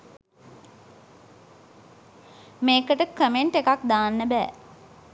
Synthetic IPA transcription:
meːkəʈəkəmeɳʈekak̚d̪aːnːəbæ̰ː

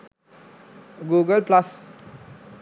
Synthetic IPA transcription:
ɡuɡəlplas

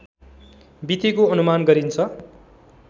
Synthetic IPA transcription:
bit̪ikoʌnumanɡʌɾint͡sʰʌ

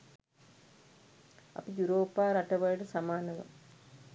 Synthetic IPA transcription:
ɐ̰pijuɾoːpaːɾɐʈɐʋɐjʈɐsɐmaːnɐʋɐ̰m

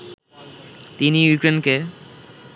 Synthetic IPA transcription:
t̪inijukɾenke

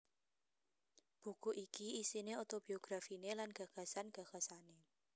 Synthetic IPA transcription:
b̥ṳkuʔikiisineot̪ob̥ioɡ̥ɾafinelanɡ̥a̤ɡ̥a̤sanɡ̥a̤ɡ̥a̤sane

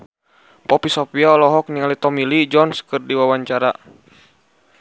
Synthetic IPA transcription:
pɔpisɔpialɔɦɔk̚niŋalit̪ɔmilid͡ʒɔnskɨrdiwawaɲt͡ʃaɾa

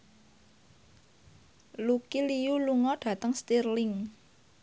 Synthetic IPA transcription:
lukilijuluŋɔɖ̥a̤t̪əŋst̪irlɪŋ

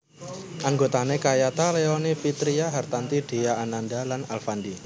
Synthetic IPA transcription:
ʔaŋɡot̪anekajat̪aleɔnifit̪ɾiaɦart̪ant̪iɖ̥e̤jaːnandalanalfandi

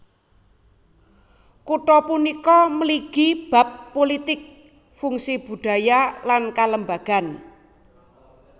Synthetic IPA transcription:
kuʈɔpunikɔməliɡ̥ib̥a̤pːolit̪ɪk̚ | fuŋsib̥ṳɖ̥a̤jalankaləmbaɡ̥a̤n

